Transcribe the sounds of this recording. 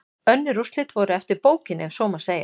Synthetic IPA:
œnːɪrust̪lɪt̪vɔɾʏɛft̪ɪɾpoːwcɪnɛmsɔːmḁseːja

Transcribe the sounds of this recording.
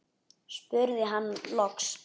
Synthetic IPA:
spʏɾðɪɦanːlɔks

